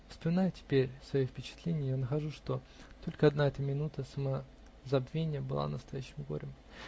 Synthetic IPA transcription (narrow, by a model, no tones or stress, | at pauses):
fə̥spəmʲɪnajʊtʲɪ̥pʲeɾʲsvɐjofʲpʲɪt͡ɕɪ̥t̪lʲenʲɪjəjanəxɐʐuʂt̪o̞ | t̪o̞lʲkəɐd̪naɛt̪əmʲɪnut̪əsəmə | zɐbvʲenʲɪjəbɨlˠa̰nəst̪ɐjæɕːɪmɡo̞̰ɾʲɪm